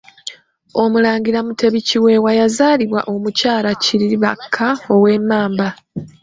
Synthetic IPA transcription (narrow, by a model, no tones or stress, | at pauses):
o̞mulaːɲɟiɾamutʰe̞βiciwe̞ːwajazaːliβwa̰ʔo̞mucaːlaciɾiβa̰kʰːao̞weːmaːmba